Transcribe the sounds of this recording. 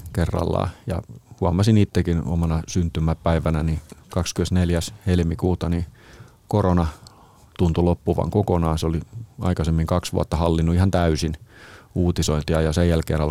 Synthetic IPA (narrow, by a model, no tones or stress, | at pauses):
kerːɑ̰lːɑ̰ːjɑ̰huɑmɑsinit̪ːekino̰mɑnɑsynt̪ymːæpːæiʋænænikɑkskymensneljæshelmikuːt̪ɑni | koronɑ | t̪unt̪ulopːuʋɑ̰ŋkokonɑːnsoliɑ̰ikɑsemːiŋkɑksʋṵɑt̪ːɑhɑlːinːuihɑnt̪æysinuːt̪isoint̪iɑjɑsejjælkḛːnɑl